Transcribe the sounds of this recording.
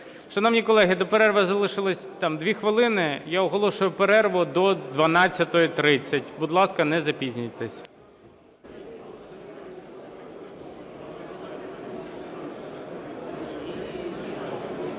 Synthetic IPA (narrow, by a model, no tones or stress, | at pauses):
ʃʃt͡ʃɔnɐmnʲikɔlˠɛɦɪd̪ɔpeɾɛrʋɐzɐlˠɪʃɪlˠɪsʲt̪ɑmd̪ʋʲixʋɪlˠɪnɪjaɔɦɔlˠɔʃʊjʊpeɾɛrʋʊd̪ɔd̪ʋɐnɑt͡sʲːɐt̪ɔjɔt̪ɾɪt͡sʲːɐtʲbud̪lˠɑskɐnɛzɐpʲizʲnʲijt̪ɛsʲ